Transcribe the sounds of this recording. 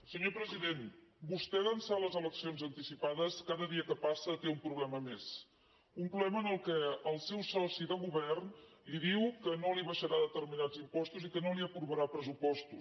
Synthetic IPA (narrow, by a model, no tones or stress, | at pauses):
səɲopɾəziðenbust̪ɛɣənsaləzələksionzənt̪isipaðəskaðəðiəkəpasət̪eumpɾuβlɛməmes | umpɾuβlɛməːnəlˠkɛəlˠsɛwsɔsiðəɣuβɛrnliðiwkənoliβəʃəɾaðət̪ərminad͡zimpɔst̪uzikənoliəpɾuβəɾapɾəzupɔst̪us